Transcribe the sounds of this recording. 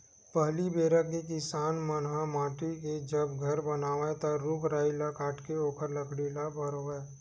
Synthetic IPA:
pəɦlibeːɾəkkek̬ɪsaːnmənɦamaːʈiked͡ʒəbɡʱəɾbənaːʋet̪aɾukɾaːilakaːʈkeoːkəɾləkɽilabʱəɾoeː

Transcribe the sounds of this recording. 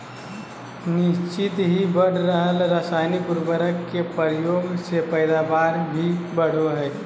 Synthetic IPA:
nɪst͡ʃɪt̪ɦibəɽ̤ɾəɦəlɾəsaːɪnipuɾbəɾəkːepəɾjoːɡsepəɪd̪abaːɾbʱibəɽ̤oɦɛː

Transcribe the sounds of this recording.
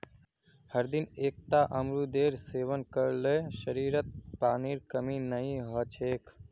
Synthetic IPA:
həɾd̪ɪneːk̚t̪aːʔəmɾud̪eːɾseːʋənkəɾləʃəɾiːɾət̪̚paːniːɾkəminəĩɦɔt͡ʃʰeːk

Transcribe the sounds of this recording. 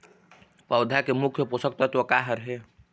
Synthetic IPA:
pəwd̪ʱakemukʰjəpusək̚t̪ət̪wəkaɦəɾɦe

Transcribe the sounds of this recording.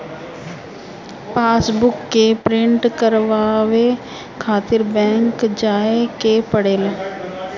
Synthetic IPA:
paːsbʊkːepɾɪ̃ɳʈkəɾʋaːʋe | kʰaːt̪ɪɾbɛ̃ːŋkd͡ʒaːekepəɽeːlaː

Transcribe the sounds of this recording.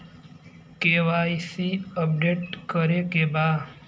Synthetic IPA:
keʋaisiəp̚ɖeʈkəɾekebaː

